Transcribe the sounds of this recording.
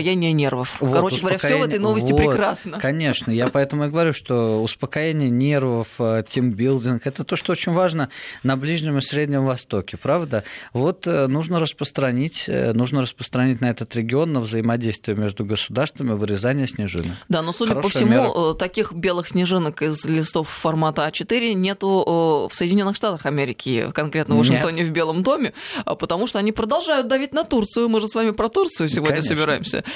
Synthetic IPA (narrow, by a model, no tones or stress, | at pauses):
janʲɪjənʲervəfvoɐɾot͡ɕsɪɡəvɾəaksjʲvɛt̪əjno̞vəsʲvʲɪopɾʲɪɾasnəkɐnʲe̞ʂnəjapɐɛt̪əmʊɪɡəvɐɾʲuʂt̪o̞ʊspəkɐjenʲɪjənʲe̞rvəftʲimbʲilˠdʲɪnkɛt̪ət̪oʂt̪oot͡ɕɪnʲvaʐnənɐblʲiʐnʲɪmɨsʲɾʲedʲnʲɪmvɐst̪o̞kʲɪpɾavd̪əvo̞t̪nuʐnəɾəspɾəst̪ɾɐnʲitʲnuʐnəɾəspɾəst̪ɾɐnʲitʲnɐɛt̪ət̪ɾʲɪɡʲɪo̞nːəvzəɪmɐdʲejst̪vʲɪjəmʲeʐd̪ʊɡəsʊd̪arst̪vəmʲɪvɨɾʲɪzanʲɪjəsʲnʲɪʐɨ̰nəd̪ano̞sudʲəpəfssʲɪmuət̪ɐkʲixbʲe̞lˠɨxsʲnʲɪʐɨnəkɪzlʲɪst̪o̞fːɐrmat̪əat͡ɕɪt̪ɨɾʲɪnʲe̞t̪ʊəfsəjdʲɪnʲo̞nːɨxʂt̪at̪əxɐmʲeɾʲɪkʲɪ̰kɐnkɾʲe̞t̪nəvəʂɨnkkt̪onʲɪvbʲe̞lˠəmd̪o̞mʲɪə̰pət̪ɐmuʂt̪oɐnʲipɾəd̪ɐlˠʐajʊt̪̚d̪ɐvʲit̚ʲnɐt̪urt̪sɨjʊmɨʐɨsvamʲɪpɾɐt̪urt̪sɨjʊsʲɪvo̞dnəsəbʲɪɾajɪmsʲə̰